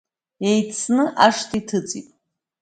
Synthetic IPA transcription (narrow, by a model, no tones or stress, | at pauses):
ejt͡sʰnɨʔaʂtʰʼitʰɨt͡sʼḭpʼ